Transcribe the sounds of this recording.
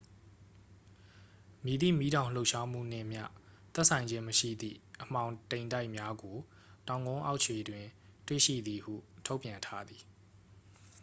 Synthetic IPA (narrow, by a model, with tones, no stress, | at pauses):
mji˨d̪ḭ˦˨mi˨˦ɾã˨ʊ̃l̥o˦ʊʔʃa˦m̥ṵ˦˨n̥ɪ̰̃˦˨m̥jä̰˦˨t̪ɛ˦ʔsʰã˨ɪ̃ɲd͡ʑɪ̃˦məʃḭ˦˨d̪ðḭ˦˨ʔəm̥ã˨ʊ̃tẽ˨ɪ̃nda˦ɪʔmja˦ɡo˨ | tã˨ʊ̃ŋɡõ˦ʔa˦ʊʔt͡ɕʰe˨dwɪ̃˨twḛ˦˨ʃḭ˦˨d̪i˨hṵ˦˨tʰo˦ʊpjã˨ntʰa˦d̪i˨